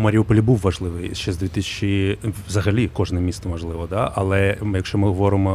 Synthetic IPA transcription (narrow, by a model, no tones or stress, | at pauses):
mɐɾʲiuʊpɐlʲibuwːɐʐlˠɪʋɨjʃɛzd̪ʲit̪ɪsʲɪ̥t͡ʃizɐɣɐlʲikɔʐnɛmʲisɐmɐʐlˠɪʋɔd̪aʔɐlˠɛjɐkʃt͡ʃɔmɨɣɔʋɔɾɨmɔ